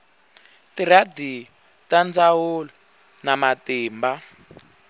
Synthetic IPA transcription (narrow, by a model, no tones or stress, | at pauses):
tiɾadi | tand͡zawulɔ | namatiːmba